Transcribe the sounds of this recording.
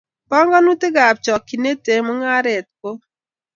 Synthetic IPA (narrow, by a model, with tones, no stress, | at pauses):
pɔ˦ŋɡɔ˦nu˦tɪ˦ɡa˨p̚t͡ʃɔ˨kːi˨ne˦te˨mɔ˦ŋa˦ɾe˨t̚ko˦